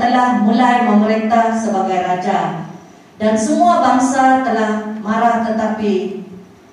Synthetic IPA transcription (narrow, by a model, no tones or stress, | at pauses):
t̪əlahmulajməməɾint̪ahsəbaɡajɾad͡ʒa | dansəmuabaŋsat̪əlahmãɾaht̪ət̪api